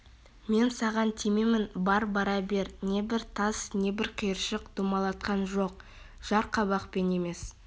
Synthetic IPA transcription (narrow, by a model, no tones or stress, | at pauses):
me̞nsɑʁɑnt̪ʰime̞mɪnbɑɾbɑɾɑbe̞ɾne̞bɪɾt̪ʰɑsne̞bɪɾqʰijəɾʃəqd̪̥umɑlˠɑt̪̚qɑnʒo̞q̚ | ʒ̥ɑɾqʰɑbɑqpe̞ne̞me̞s